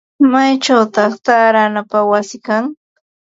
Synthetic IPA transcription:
majʈ͡ʂawt̪ɑχt̪aːɾanapawasɪkaŋ

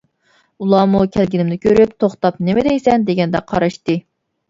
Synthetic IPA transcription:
ulˠɑmukʲʰælɡʲinɪmnɪkʲʰøɾypt̪ʰoχt̪ɑp̚nemɛd̪ɛjsɛnd̪eɡʲɛnd̪ɛqʰɑ̰ɾɑʃt̪ɨ

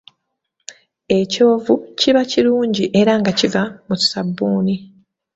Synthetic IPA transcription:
e̞co̞ːvuciβaciɾuːɲɟiʔe̞ɾaŋɡacivamutsabːuːni

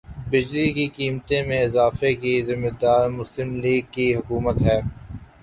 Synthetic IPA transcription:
bɪd͡ʒlikikiːmt̪ẽmẽɪzaːfekizɪmːɪd̪aːɾmʊslɪmliːɡ̚kiɦʊkuːmət̪ɦɛː

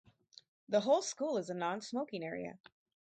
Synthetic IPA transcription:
ðəɦoʊlˠskulˠəzənɑ̃nsmoʊkɪ̃ŋɛɹḭɨ̰

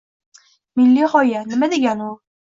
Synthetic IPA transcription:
mɪlːihɒjanɪmad̪eɡʲanʊ

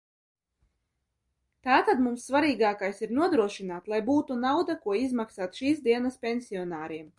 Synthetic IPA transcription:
t̪aːt̪ad̪mumsːvaɾiːɡaːkajsiɾnuɔd̪ɾuɔʃinaːt̪lˠajbuːt̪unawd̪akuɔizmaksaːt̪ʃiːsd̪iɛnaspʲensiɔnaːɾiɛm

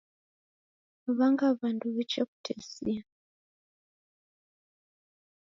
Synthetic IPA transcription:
ʋaŋɡaβanduʋet͡ʃeku̥tʰesia

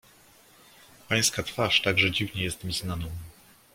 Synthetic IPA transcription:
paj̃skat̪faʂt̪aɡʐɛd͡ʑivɲɛjɛst̪mʲiznanɔ̃w̃

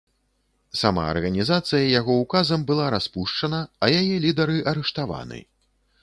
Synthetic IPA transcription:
sama̰ɐ̰rɣɐnʲizat̪sɨjɐjaɣɔukazɐmbɨlˠaɾaspuʂt͡ʂɐnɐɐjajɛlʲid̪ɐɾɨʔɐɾɛʂt̪ava̰nɨ̰

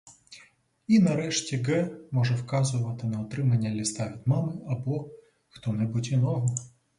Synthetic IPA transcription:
inɐɾɛʂtʲɛɡɛmɔʐɛwkɑzʊʋɐt̪ɪnɐɔt̪ɾɪmɐnʲːɐlʲist̪avʲit̪mɑmɪɐbɔ | xt̪ɔnɛbutʲinɔɦɔ

